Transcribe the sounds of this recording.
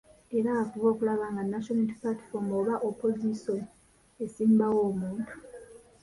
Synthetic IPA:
e̞ɾaːkuvo̞ːkulaβaŋɡanːaʃonatiplati̥fomoβaʔopo̞zison | e̞siːmbawo̞ːmuːntʰu̥

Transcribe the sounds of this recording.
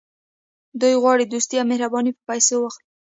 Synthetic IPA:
d̪ujɣwɑɽid̪ust̪ijamehɾabɑnipə̥pajsowaxt̪̚

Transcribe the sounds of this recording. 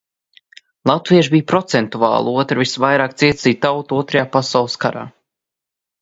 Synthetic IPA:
lˠat̪viɛʒbijpɾɔt̪sɛnt̪uvɑ̰ːlˠuɔt̪ɾɨvisvajɾaːkt̪siɛt̪siːt̪awt̪uɔt̪ɾajaːpasawlˠɨskaɾa̰ː

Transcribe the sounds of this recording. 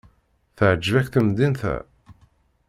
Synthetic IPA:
θəʕəd͡ʒːəvækθəmd̪inθæ̰

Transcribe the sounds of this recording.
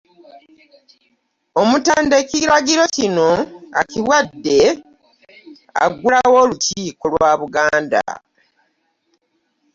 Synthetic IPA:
omutaːndeciɾaɡiɾo̞cino̞a̰ciwadːe̞ | a̰ɡulawo̞ːluciːkolwaːβuɡaːnda̰

